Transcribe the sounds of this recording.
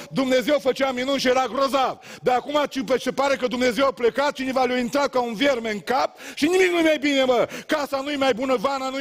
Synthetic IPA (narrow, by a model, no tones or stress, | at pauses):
d̪umne̞zewfət͡ʃeaminunʃijeɾaɡɾozavd̪aakumat͡ʃipet͡ʃepaɾe̞kəd̪umne̞zewaple̞kat̪̚t͡ʃinevalʲjoint̪ɾat̪̚kaunverme̞ɨŋkap̚ʃinimik̚nujemajbine̞məkasanujemajbunəvananu